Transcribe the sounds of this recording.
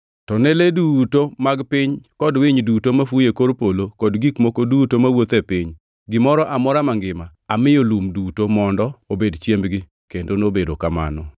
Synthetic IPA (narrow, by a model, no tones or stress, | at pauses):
tɔnɛledutomaɡpɪɲkɔdwɪɲdutomafujekoɾpolokɔdɡikmokodutomawot̪ɛpɪɲ | ɡɪmɔɾɔʔamɔɾamaŋɡɪmaamɪolumdutomɔndɔobedt͡ʃjembɡɪ | kendonobedokama̰nɔ